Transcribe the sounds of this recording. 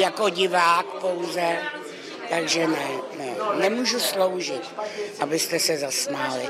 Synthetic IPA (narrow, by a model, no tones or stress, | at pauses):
jakoɟɪvaːkpo̞wzɛ | t̪aɡʒɛnɛnɛnɛmuːʒuslowʒɪt̪̚ʔabɪst̪ɛsɛzasnalɪ